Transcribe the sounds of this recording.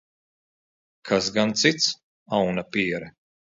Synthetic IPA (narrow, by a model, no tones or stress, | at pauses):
kʰasɡant̪sit̪s | awnapiɛɾɛ